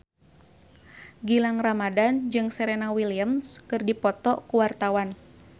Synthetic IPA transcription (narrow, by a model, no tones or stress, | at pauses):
ɡilaŋramadand͡ʒɨŋsɛɾɛnawiliamskɨrdipɔt̪ɔkuwart̪awan